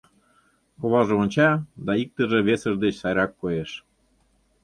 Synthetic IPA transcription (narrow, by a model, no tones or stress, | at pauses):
koβɑʒĕonʲt͡ɕɑd̪ɑik̚t̪ə̆ʒĕβesə̆ʒd̪et͡ɕsɑjɾɑkːojeʃ